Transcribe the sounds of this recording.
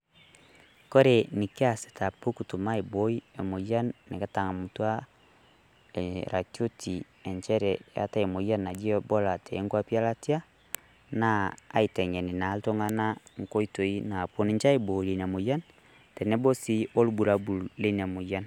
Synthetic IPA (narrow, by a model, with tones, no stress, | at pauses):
kɔ˦ɾe˨ni˨ke˦a˦sɛ̥˨ta˨po˦ku˨tu˨ma˦e˨bo˦i˦e˨mo˨ja˦nːe˨ka˨˦ta˨ŋa˨mu˨twa˦ | eɾa˨t͡ʃo˦tʰi˨ | ɛ˨ɲt͡ʃɛ˦ɾɛja̰˦ta˦e˨mo˨ja˦nːa˨d͡ʒi˦ɔ˦bɔ˦la˨tʰɛː˨˦ŋɡwa˦pja˦la˦ti˦a˦ | naː˦˨i˨tɛ˨ŋɛ˨ni˨na˨˦lto˦ŋa˦na˦ŋko˦i˦to˨i˦na˨po˨ni˨ɲt͡ʃa˦e˨bo˨le˨na˨mo˨ja˦n | tɛ˨nɛ˦bɔ˦si˦o˦lu˦bu˨ɾa˦bu˨lle˦n˨a˨mo˨ja˦n